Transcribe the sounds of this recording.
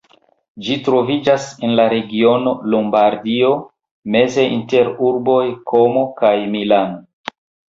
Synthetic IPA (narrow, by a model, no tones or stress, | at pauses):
d͡ʒitɾo̞vid͡ʒasenlaɾe̞ɡio̞no̞lombaɾdio̞ | me̞ze̞ʔinte̞ɾuɾbo̞jkʰo̞mo̞kajmilano